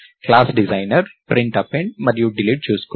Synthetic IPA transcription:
klaːsɖizɐjnɐɾpɾiɳʈɐpːeɳɖmɐɾjuɖiliʈ̚t͡ʃuːsku

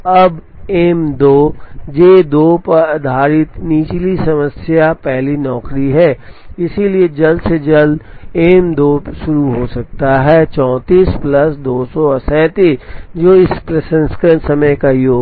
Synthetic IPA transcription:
ɐb | eːmd̪oːd͡ʒeːd̪oːpɐɾd̪ʱaːɾɪt̪niːt͡ʃlisɐməsjapɛɦlinɔːkɾiɦɛːɪsilied͡ʒɐld̪sed͡ʒɐld̪eːmd̪oːʃʊɾuɦosɐk̚t̪aɦɛːt͡ʃɔ̃ːt̪iːsplɐsd̪oːsɔsɛːt̪id͡ʒoːɪspɾɐʃə̃nskənsɐməjkajoː

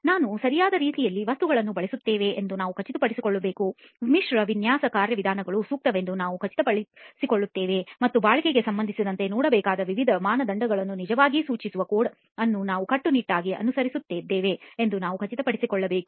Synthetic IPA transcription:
naːnusɐɾijaːd̪ɐɾiːt̪ijɐlːiʋɐst̪uɡɐɭɐnːubɐɭesut̪ːeːʋe̞ʔːnd̪unaːʋukʰɐt͡ʃit̪ɐpɐɽisikoɭːɐbe̞ːku | miʂɾɐʋinjaːsɐkaːɾjɐʋid̪ʱaːnɐɡɐɭusuːk̚t̪ɐʋe̞nd̪unaːʋukʰɐt͡ʃi̥t̪ɐpɐɽisikoɭːut̪ːeːʋemɐt̪ːubaːɭikeɡesɐmbɐnd̪ʱisid̪ɐnt̪e̞nɔːɽɐbɛːkaːd̪ɐʋiʋid̪ʱɐmaːnɐd̪ɐɳɖɐɡɐɭɐnːunid͡ʒɐʋaːɡisuːt͡ʃisuʋɐkoːɽ | ɐnːunaːʋukɐʈːuniʈːaːɡiʔɐ̰nusɐɾisut̪ːeːd̪ːeːʋe̞end̪unaːʋukɐt͡ʃit̪ɐpɐɽisikɔɭːɐbe̞ːku̥

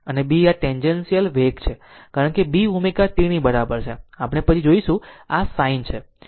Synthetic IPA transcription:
ənebiaʈɛnd͡ʒensijəlʋekt͡ʃʰe | kaɾəɳ̃kebiumekat̪iɽ̃ĩbəɾabəɾt͡ʃʰeapɽ̃epət͡ʃʰid͡ʒoiʃũasaint͡ʃʰe

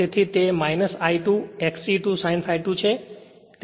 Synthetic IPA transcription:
et̪ʰit̪emajnəsajʈũɛksiʈusajnfajʈ̪ũt͡ʃʰe | t̪

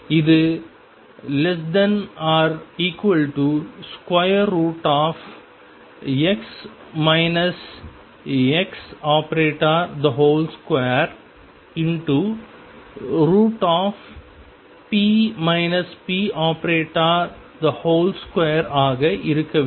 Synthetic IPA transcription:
ɪðɯ | lɛs̬ɖɐnaːɾiːkʋɐlʈuskwɐɪɐɾːuːʈaːf | ɛks | mɐɪnɐs | ɛksaːpɐɾeːʈaːɾd̪ɐɦoːlskwejɐɾ | ɪɳʈu | ɾuːʈaːf | piːmɐɪnɐspiːʔaːpɾeːʈːaɾ | d̪ɐhoːlskwejɐɾaːɣɐʔɪɾɯkːɐʋ

